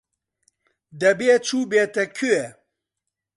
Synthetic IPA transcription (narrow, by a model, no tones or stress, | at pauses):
d̪ɐbeːt͡ʃʰuːbeːt̪ɛkʰuɛ